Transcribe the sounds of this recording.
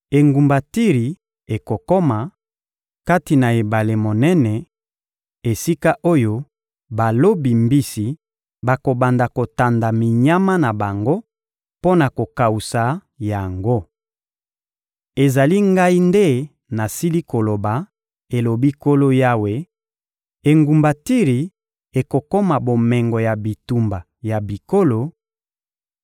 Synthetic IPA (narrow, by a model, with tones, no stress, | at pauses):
e˨ŋɡu˨mba˨ti˦ʁi˨ | e˨ko˨ko˦ma˨ | ka˦ti˨na˨e˨ba˨le˨mo˨nɛ˦nɛ˨ | e˨si˦ka˦ʔo˦jo˦ | ba˨lo˦bi˨mbi˦si˨ | ba˨ko˨ba˨nda˨ko˨ta˨nda˨mi˨ɲa˦ma˦na˨ba˨ŋɡo˦ | po˦na˨ko˨ka˨u˨sa˨ | ja˨ŋɡo˦ | e˨za˨li˦ŋɡa˦i˦nde˦ | na˨si˦li˦ko˨lo˨ba˨ | e˨lo˨bi˦ko˦lo˦ja˦we˨ | e˨ŋɡu˨mba˨ti˦ʁi˨ | e˨ko˨ko˦ma˨bo˨mɛ˨ŋɡɔ˨ja˨bi˨tu˨mba˨ | ja˨bi˨ko˦lo˨